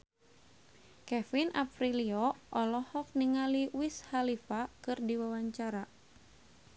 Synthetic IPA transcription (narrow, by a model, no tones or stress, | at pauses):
kɛfinafɾiliɔʔɔlɔhɔk̚niŋaliwishalifakɨrdiwawaɲt͡ʃaɾa